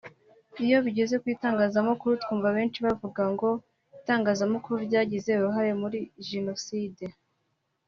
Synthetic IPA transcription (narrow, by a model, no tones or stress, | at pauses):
ijo̞βiɟe̞ze̞kwiːtaːŋɡaːzamokuɾutkuːmvaβe̞ːnt͡ʃiβavuɡaŋɡo̞ | itaːŋɡaːzamokuɾuɾɟaːɟize̞uɾuɦaɾemuɾiʒeno̞side̞